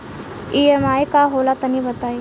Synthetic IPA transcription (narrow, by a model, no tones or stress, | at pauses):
iemajkaɦolat̪ənibət̪aj